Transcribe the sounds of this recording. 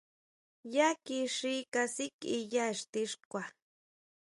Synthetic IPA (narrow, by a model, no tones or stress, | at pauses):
jakiʂikasikʼijaʃt̪iʂkwa